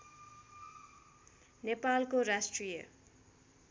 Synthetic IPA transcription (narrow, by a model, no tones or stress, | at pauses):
nepalkorasʈrijḛ